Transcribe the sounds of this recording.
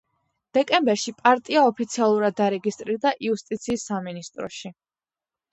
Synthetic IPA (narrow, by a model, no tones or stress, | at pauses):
d̪̥ɛkʼɛmbɛɾʃipʼaɾt̪ʼiaɔpʰit̪sʰialˠuɾad̪ːaɾɛɡist̪ʼɾiɾd̪aʔiust̪ʼit̪sʰiːsːaminist̪ʼɾɔ̰ʃi